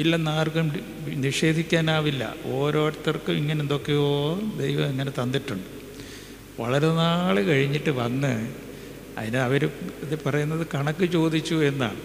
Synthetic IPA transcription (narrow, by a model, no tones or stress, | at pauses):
ilːɐnaːrɣɐm | niʂe̞ːd̪ʱikʲːaːnaːʋilːɐ̰o̞ːɾo̞ːʈɐt̪ːɐrkɨmiŋːɐnend̪o̞kːejoːd̪ejʋɐmeŋːɐnet̪ɐnd̪iʈːuɳɖɨ | ʋɐ̰ɭɐɾe̞naːɭɨkɐɻiɲːiʈːɨʋɐnːɨ | ɐ̰ðinɨɐʋɐɾuɐðɨpɐrɐjunːɐðɨkɐɳɐkːɨt͡ɕo̞ːd̪it͡ɕːue̞nːa̰ːɳɨ